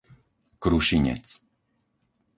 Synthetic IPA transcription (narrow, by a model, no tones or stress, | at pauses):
kɾuʃiɲɛ̰t͡s